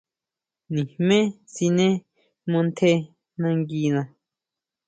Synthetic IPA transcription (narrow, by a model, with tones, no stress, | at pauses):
nĩ˨hmẽ˦si˧nẽ˦ | mõ˧nt̪ʰe˧ | nã˧ŋɡi˧nã˧